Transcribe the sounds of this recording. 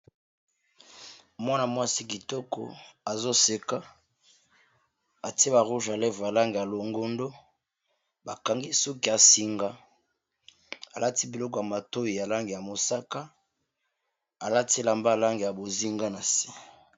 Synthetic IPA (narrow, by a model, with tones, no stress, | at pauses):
mwa˦na˨mwa˦si˦ki˨tɔ˦kɔ̰˨a˨zo˦se˨ka˦ | a˨ti˦e˦ba˨ʁu˦ʒa˨le˦vo˨ja˨la˦ŋɡe˨ja˨lo˨ŋɡo˦ndo˦ | ba˨ka˨ŋɡi˦so˦ki˨a˨si˨ŋɡa˦ | a˨la˦ti˦bi˨lɔ˦k̬ɔ˨ja˨ma˨to˦ji˨ja˨la˦ŋɡe˨ja˨mo˨sa˦ka˦ | a˨la˦ti˦la˨mba˦˨la˦ŋɡe˨ja˨bo˨zi˦ŋɡa˦na˨si̥˦